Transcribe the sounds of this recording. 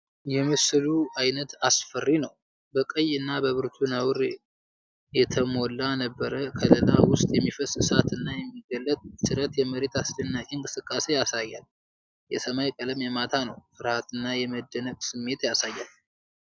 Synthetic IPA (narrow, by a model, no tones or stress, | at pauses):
jɛmɨsɨluajnət̪asfərːinəw | bəkʼəjɨnːabəβɨɾt̪ʰunəwɾ | jɛt̪ʰəmolːanəbːəɾəkʰəlɨlawʊst̪ʼjɛmːifəsɨsat̪ʰɨnːajɛmːiɡəlːət̪ʼt͡ʃɨɾət̪jɛməɾe̞t̪ʰasd̪ənːaʔʼinkʼɨ̥sɨkʼːase̞jasajːal | jɛsəmajkʼələmjɛmat̪ʰanəwfɨɾhat̪ɨnːajɛməd̪ːənəkʼsɨmːe̞t̪jasajːal